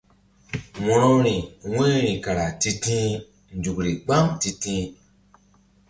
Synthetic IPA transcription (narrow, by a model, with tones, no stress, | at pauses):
wɔ̃˨ɾɔ̃˦ɾi˨wẽ˦ɾĩ˨ka˨ɾa˨ti˦tĩ˦ | n̩˨d͡ʒu˨kɾi˨ɡ͡ba˦mti˧tĩ˦